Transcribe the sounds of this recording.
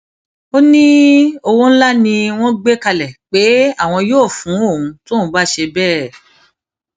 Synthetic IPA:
o˦nĩ˦o˧wo˦ñ̩˦la˦nĩ˧w̃ɔ̃˦ɡ͡be˦ka˧lɛ˨k͡pe˨˦a˦˨w̃ɔ̃˧joː˦˨fũ˨˦o˦˨ũ˨˧˦to˦ũ˨˧˦ba˦ʃe˧bɛː˦˨

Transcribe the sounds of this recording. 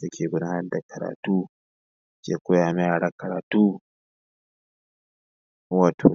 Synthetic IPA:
sa˦kʲʰeː˨ɡʷʊ˦daː˦nɐ˦rda˨kʰɐ˨ɾa̰ː˨tuː˦ | t͡ʃḛː˨kʷo˦jaː˨mɛ˦jaː˨ɽa˦kɐ˨ɾaː˨tuː˦ | waː˨tʰo̰˨

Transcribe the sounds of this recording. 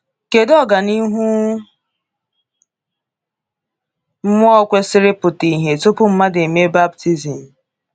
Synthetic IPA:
ke˨dɔ˦ɡa˨ni˦ɦu˦ | m̩˦mʊ˦ɔ˦kʷe˦sɪ˦ɾɪ˦pʊ˨ti˨ɦe˨tʊ˦pʊ˦m̩˦ma˦de˨me˦ba˦b̚ti˦zi˨m̩˨

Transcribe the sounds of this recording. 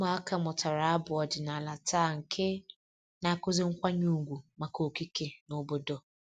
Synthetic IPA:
ma˨a˦ka˨mʊ˨ta˨ɾa˨a˦bʊ˨ɔ˨d͡ʒɪ˨na˨la˨taː˦˨ŋ̩˨kʰe˦ | na˨a˨kʊ˦zɪ˦ŋ̩˦kʷa˦ɲu˦˨ɡʷu˨ma˨ko˨ki˦ke˨no˦bo˦do˨

